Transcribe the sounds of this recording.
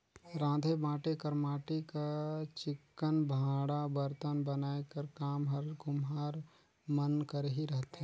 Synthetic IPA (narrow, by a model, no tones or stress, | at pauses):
ɾãːd̪ʱebãːʈekəɾmaːʈekat͡ʃɪkːənbʱãːɽabəɾt̪ənbənaːekəɾkaːmɦəɾɡʊmɦaːɾ | mənkəɾɦiɾəɦt̪e